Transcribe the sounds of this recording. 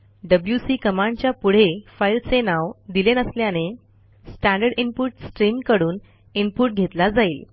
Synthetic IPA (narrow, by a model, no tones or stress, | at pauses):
ɖəbljusiːkəmãɳt͡ɕjapuɽ̤efailt͡senaʋd̪ilenəsljane | sʈæ̃ɳɖəɾɽimpuʈsʈɾimkəɽuːn | impuʈ̚ɡʱet̪lad͡zaiːl